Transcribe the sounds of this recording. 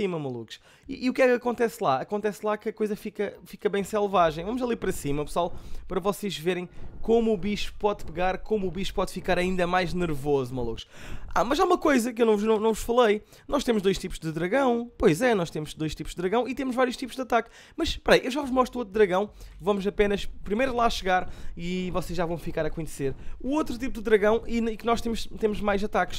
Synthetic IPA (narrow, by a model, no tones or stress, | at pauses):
simɐmɐlˠṵku̥ʃ | ḭːukɛkɐkõnt̪ɛslˠaɐkõnt̪ɛslˠakɐkojzɐfikɐfikɐβɐ̃j̃sɛlˠvaʒẽj̃vɐmuzɐlˠiɾpɐɾɐsimɐpɨswalˠpɐɾɐvɔseʒveɾɐ̃j̃komuːβiʃu̥pɔðpɨɣaɾkomːβiʃu̥pɔðfikaɾɐĩnd̪ɐmajʒnɨɾvozumɐlˠṵku̥ʃa̰mɐzaumɐkojzɐkewnɐ̃w̃vnɐ̃w̃nɐ̃w̃vuʃfɐlˠɐj | nɔʃt̪emuʒd̪ojʃt̪ipuʒd̪ɨðɾɐɣɐ̃w̃pojzɛnɔʃt̪emuʒd̪ojʃt̪ipuʒd̪ɨðɾɐɣɐ̃w̃it̪emuʒvaɾjuʃt̪ipuʒd̪ɐt̪ak | mɐʃpɐɾɐjʔewʒavuʒmɔʃt̪ɾuot̪ɾud̪ɾɐɣɐ̃w̃vɐmuzɐpenɐʃpɾimɐjɾlˠaɐʃɨɣaɾivɔseʒːavɐ̃w̃fikaɾɐkuɲseɾuot̪ɾut̪ipud̪ɨðɾɐɣɐ̃w̃iiknɔʃt̪emuʃt̪emuʒmajzɐt̪akʃ